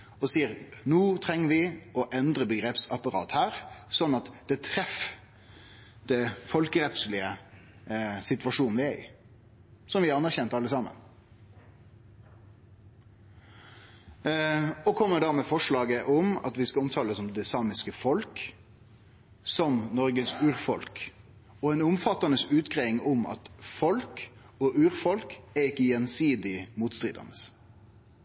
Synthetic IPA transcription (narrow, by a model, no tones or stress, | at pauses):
ɔsiːəɾnuːt̪ʰʁɛŋːəʋɪɔʔɛnd̪ɾəbəɡɾeːpsɑpɑɾɑ̰ːt̪hæːɾsɔnːɑt̪d̪̥ɛt̪ʰɾɛf | d̪̥ɛfɔlkəɾɛp̪slɪə | sɪt̪ʉʋɑʂuːnʋɪæɾɪ̰ | sɔmʋɪɑɾɑnːæɾçɛnt̪ɑlːəsɑːmə̰n | ɔkʰɔmːəd̪æɾmɛfɔʂɭɑːɡəʔɔmɑ̰t̪ʋɪskɑɔmt̪ʰɑːləsɔmd̪ɛsɑːmɪskəfɔlk | sɔmnɔɾɡəsʉːɾfɔ̰lk | ɔɛnʊmfɑt̪ːɑnəsʉːt̪ɡʁeʋɪŋɔmɑ̰t̪fɔlk | ɔʔʉːɾfɔlkæɾɪkːəjɛnsiːd̪ɪmuːt̪st̪ɾɪ̰ːd̪ə̰nəs